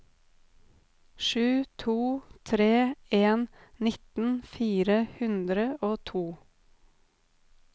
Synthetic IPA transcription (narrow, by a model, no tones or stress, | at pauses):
ʃʉːt̪ʰuːt̪ʰɾeːeːnnɪt̪n̩fiːɾəhʉnd̪ɾəoːt̪ʰuː